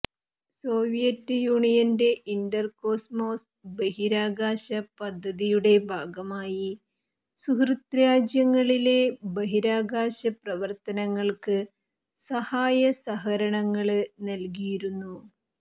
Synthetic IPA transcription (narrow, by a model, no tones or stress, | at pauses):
so̞ːʋijɐtːjuːɳijɐnde̞ʔindɐrko̞ːsmo̞ːs | bɐɦiɾaːɡaːɕɐpɐd̪ʱːɐðijuɽe̞bʱaːɡɐmaːji | sukrɨt̪ɾaːd͡ʑjɐŋːɐɭile̞bɐɦiɾaːɡaːɕɐprɐʋɐrt̪ɐnɐŋːɐɭkɨ | sɐhaːjɐsɐɦɐɾɐɳɐŋːɐɭɨnɐlk̬ijiɾunːu